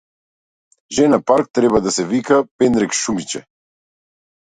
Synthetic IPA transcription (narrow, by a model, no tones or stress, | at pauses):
ʒɛnapaɾk̚t̪ɾɛbad̪asɛvikapɛnɾɛkʃumit͡ʃɛ